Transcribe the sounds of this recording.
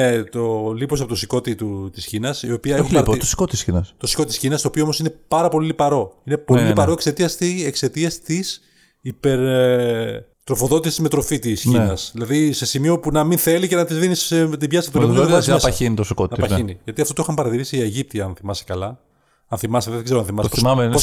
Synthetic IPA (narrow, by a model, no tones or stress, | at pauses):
et̪olipo̞sɐpot̪osiko̞t̪it̪ut̪isçinɐsio̞piɐexumɾpt̪osi̥kot̪isçinɐst̪osi̥ko̞t̪isçinɐst̪opioomosine̞pɐɾɐpo̞lilipɐɾo̞ine̞po̞lillipɐɾo̞e̞kse̞t̪iɐst̪iekse̞t̪iɐst̪is | ipe̞ɾ | t̪ɾo̞fo̞ðo̞t̪isizme̞t̪ɾo̞fit̪isçinnɐsðilɐðise̞simio̞punɐminθe̞licenɐt̪izðinist̪̬ibʝɐst̪uoɐsɐsɐinit̪osikot̪nɐpɐçiniʝɐt̪iɐft̪ot̪ixɐmpɐɾɐt̪iɾisieʝip̚t̪iɐɐnθimɐse̥kɐlɐ | ɐnθimɐseðeɡzeoɐnθimɐspoɐmeo